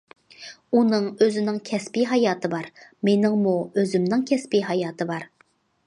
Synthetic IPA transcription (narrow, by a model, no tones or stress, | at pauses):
unɨŋøzɪnɪŋkʲʰɛspiɦɑjɑːt̪ʰɨbɑɾmenɪŋmuøzɪmnɪŋkʲʰɛspiɦɑjɑːt̪ʰɨbɑɾ